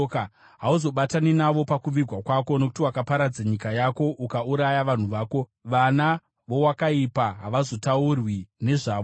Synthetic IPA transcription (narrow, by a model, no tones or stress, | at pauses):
k | ɦauzo̞ɓataninaʋo̞pakuʋirʱwakwako̞nok̬u̥tiwakapaɾad͡zaɲikajako̞ʔukauɾajaʋan̤uʋaːko̞ʋana | ʋo̞wakaipaɦaʋazo̞taurwine̞ʐaːʋo